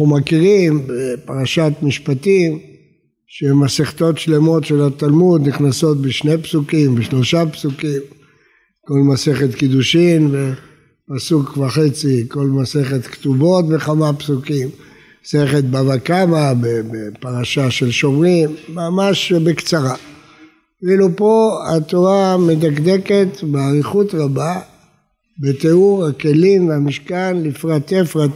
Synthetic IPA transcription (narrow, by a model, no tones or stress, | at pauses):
umakiʁimbepaʁaʃat̪miʃpat̪im | ʃemaseχt̪o̞t̪ʃle̞mo̞t̪ʃelat̪almud̪niχnaso̞t̪̚beʃnepsukimbeʃlo̞ʃapsukim | ko̞lmaseχet̪kid̪uʃimve | pasukvaχet͡sikolmaseχet̪ktubo̞t̪beχamapsukim | seχet̚bavakamabebepaʁaʃaʃe̞lʃo̞mʁimːamaʃbekt͡saʁa | ilupo̞at̪oʁamed̪akd̪e̞ke̞t̪beaʁiχut̪ʁaba | bet̪euʁhake̞limveamiʃkanlifʁat̪efʁat